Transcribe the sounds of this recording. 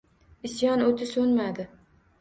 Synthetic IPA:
ɪsjɒnot̪ʰɪsɵnmad̪ɪ

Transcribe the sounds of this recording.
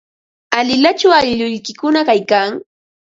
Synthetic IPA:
alɪlat͡ʃawaʎʎʊʎkɪkʊnakajkaŋ

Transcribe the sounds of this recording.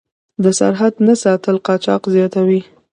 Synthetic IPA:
d̪əsa̰ɾɦad̪nasɑt̪əlqɑt͡ʃɑ̰qzjɑt̪awi

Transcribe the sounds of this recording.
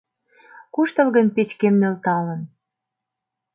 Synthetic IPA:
kuʃt̪ə̆lɣənpet͡ɕkemnølt̪ɑlən

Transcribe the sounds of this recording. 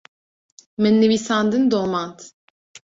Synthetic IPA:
mɛnːevisand̪ɨnd̪omant̪

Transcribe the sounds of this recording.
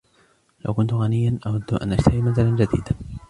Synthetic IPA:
la̰wkʊnt̪ʊɣanɪjːanʔawad̪ːʔa̰nʔad͡ʒt̪ʰahimaθaland͡ʒad̪ḭːd̪a

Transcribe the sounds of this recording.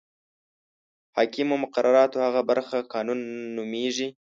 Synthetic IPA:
hɑːkimomʊqaɾʔaɾɑt̪ohaɣabaɾxaqɑnunːʊmeʒi

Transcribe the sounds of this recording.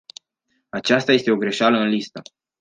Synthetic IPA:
at͡ʃast̪aje̞st̪e̞o̞ɡɾe̞ʃaləɨnlist̪ə

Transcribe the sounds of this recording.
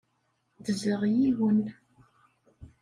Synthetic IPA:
ðəzəʁjiwən

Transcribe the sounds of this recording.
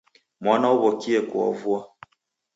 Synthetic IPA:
mwanauβɔkiɛkwɔ̰vua

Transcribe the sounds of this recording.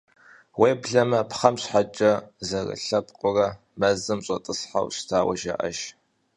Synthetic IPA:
weːbɮɐmɐpχɐmɕħat͡ʃʼɐzɐrɐ̰ɬɐpʼqʼʊrɐ | mɐzɨmɕʷʼɐtʼɨsħa̰wɕtʰaːwɐʒɐ̰ʔɐ̰ʒ

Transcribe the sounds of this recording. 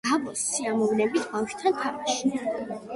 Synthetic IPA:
abɔsːiamɔvnɛbit̪ʰbaʃt̪ʰant̪ʰamaʃi̥

